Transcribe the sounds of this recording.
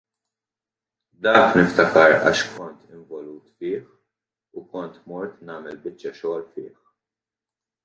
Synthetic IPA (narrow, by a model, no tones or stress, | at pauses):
d̪ɐːknɪft̪ɐkɐɾɐ̰ːʃkʰɔnt̪ɪɱvɔluːt̪fɪːħ | ukɔnt̪mɔɾt̪nɐːmɛlbɪt͡ʃːɐʃɔːlfɪ̰ːħ